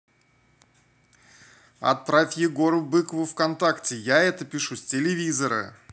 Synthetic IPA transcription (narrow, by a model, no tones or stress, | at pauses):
ɐ̰t̪̚pɾafʲjɪɡoɾʊbɨkəvʊfkɐnt̪aktʲɪjaɛt̪əpʲɪʂusʲtʲɪlʲɪvʲizəɾə̰